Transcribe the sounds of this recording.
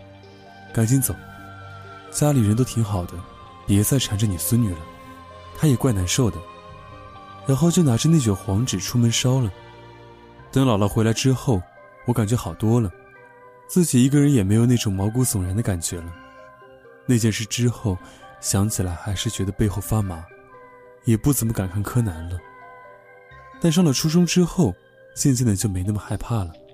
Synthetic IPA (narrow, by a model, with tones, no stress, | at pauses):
ka˧˥nɕi˧˥nt͡so˨˩˦ʊ | t͡ɕja˥li˨˩ɻə˧˥nt̪o˥t̪ʰi˧˥ŋxɑ˨˩ʊd̪ə˦ | pjɛ˧˥sa˥˩ɪʈ͡ʂʰa˨˩nʈ͡ʂə˧ni˨˩swə˥nny˨˩lə˦ | t̪ʰa˥jɛ˨˩kwa˥˩ɪna˧˥nʂo˥˩ʊd̪ə˩ | ɻa˧˥nxo˥˧ʊt͡ɕjo˥˩ʊna˧˥ʈ͡ʂə˥˧ne˥˩t͡ɕə˨˩xwɑ˧˥ŋʈ͡ʂɻ̩˨˩ʈ͡ʂʰu˥mə˧˥nʂɑ˥ʊlə˨ | t̪ɤ˥ŋlɑ˨˩ʊlɑ˥˩ʊxwe˧˥ɪla˧˥ɪʈ͡ʂɻ̩˥xo˥˩ʊ | wɔ˧˥ka˨˩nt͡ɕɥɛ˧˥xɑ˨˩ʊt̪wɔ˥lə˨ | t͡sɹ̩˥˩t͡ɕi˨˩i˧˥ɡə˧ɻə˧˥njɛ˨˩me˧˥ɪjo˨˩ʊne˥˩ʈ͡ʂʊ˨˩ŋmɑ˧˥ʊku˧˥sʊ˨˩ŋɻa˧˥nd̪ə˧ka˨˩nt͡ɕɥɛ˧˥lə˧ | ne˥˧t͡ɕjɛ˥˧nʂɻ̩˥˩ʈ͡ʂɻ̩˥xo˥˩ʊɕjɑ˧˥ŋt͡ɕʰi˨˩la˧˥ɪxa˧˥ɪʂɻ̩˥˩t͡ɕɥɛ˧˥d̪ə˧pe˥˧ɪxo˥˧ʊfa˥ma˧˥ | jɛ˨˩pu˥˩t͡sə˧˥mə˧ka˨˩nkʰa˥˩nkʰɤ˥na˧˥nlə˧ | t̪a˥˧nʂ̬ɑ˥˧ŋlɑ˨˩ʈ͡ʂʰu˥ʂ̬ɤ˥ŋʈ͡ʂɻ̩˥xo˥˩ʊ | ɕjɛ˥˧nt͡ɕ̬ɛ˥˩nd̪ə˩t͡ɕjo˥˩ʊme˧˥ɪna˥˩mə˨xa˥˧ɪpʰa˥˩lə˩